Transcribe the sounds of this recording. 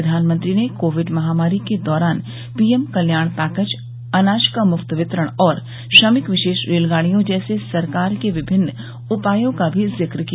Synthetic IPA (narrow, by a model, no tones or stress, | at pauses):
d̪ʱaːnmə̃nt̪ɾinekoːʋɪɖmɐɦaːmaːɾiked̪ɔːɾaːn | piːemkɐljaːɽ̃t̪aːkət͡ʃ | ɐnaːʃkamʊkt̪ʋɪt̪ɾəɽ̃ɔːɾ | ʃɐmɪkʋɪʃeːʃɾeːlɡaːɽ̃ijõd͡ʒɛːsesɐɾkaːɾkeʋɪbʱɪnː | ʊpaːjõkabʱizɪkɾki